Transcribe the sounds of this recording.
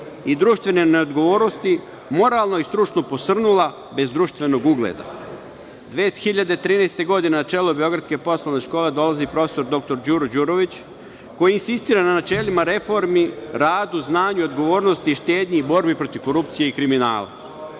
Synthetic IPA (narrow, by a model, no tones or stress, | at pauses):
id̪ɾuːʃt̪vʋe̞nene̞od̪ɡo̞ʋo̞ːɾno̞st̪i | mo̞ɾaːlˠnoist̪ɾut͡ʃnopo̞sr̩nula | be̞zd̪ɾuːʃt̪ʋe̞no̞ɡuɡlḛd̪a̰ | d̪ʋeːxiʎad̪et̪ɾiːnest̪e̞ɡo̞d̪inenat͡ʃe̞ːlubio̞ɡɾat̪ske̞po̞slˠoʋne̞ʃkoːle̞d̪o̞lazipɾo̞feso̞ɾd̪o̞k̚t̪o̞ɾd͡ʑuɾod͡ʑuɾo̞ʋit͡ɕ | ko̞jiinsist̪iːɾananat͡ʃe̞ːlimaɾe̞fo̞ɾmiɾaːd̪uznaːɲuo̞d̪ɡo̞ʋo̞ːɾnost̪iʃt̪eːd̪ɲibo̞ɾbipɾo̞t̪iʋko̞ɾup̚t̪sijeikɾimina̰ːla̰